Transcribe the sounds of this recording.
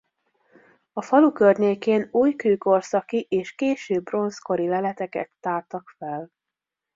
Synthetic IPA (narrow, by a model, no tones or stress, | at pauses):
ɒfɒlukørɲeːkeːnuːjkøːko̞rsɒkiʔeːʃkeːʃøːbːro̞nsko̞ɾilɛlɛt̪ɛkɛ̰t̪ːaːrt̪ɒkfɛl